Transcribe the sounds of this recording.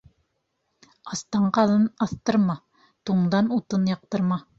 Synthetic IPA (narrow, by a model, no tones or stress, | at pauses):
ɑst̪ɑɴqɑlˠɤnɑθt̪ɤ̆ɾmɑ | t̪uɴd̪ɑnut̪ɤnjɑq̚t̪ɤ̆ɾmɑ